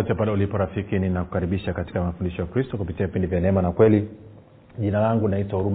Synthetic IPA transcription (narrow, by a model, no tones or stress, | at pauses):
ɔtɛpalɛulipɔɾafikininaku̥kaɾiɓiʃakati̥kamafundiʃɔjakɾistɔkupitiavipindivjanɛɛmanakwɛli | ʄinalaŋɡunaitwahuɾum